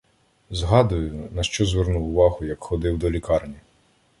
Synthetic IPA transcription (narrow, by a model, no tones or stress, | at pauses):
zɦɑd̪ʊjʊnɐʃt͡ʃɔzʋernuwʊʋɑɦʊjɐkxɔd̪ɪwd̪ɔlʲikɑrnʲi